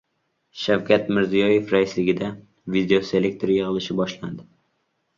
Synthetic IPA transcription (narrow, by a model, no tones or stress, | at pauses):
ʃawkʲʰat̪mɪɾzijɒjefɾaɪslɪɡʲɪd̪a | vid̪eose̞le̞k̚t̪ʰoɾjɨʁɨlˠɪʃɪbɒʃland̪ɪ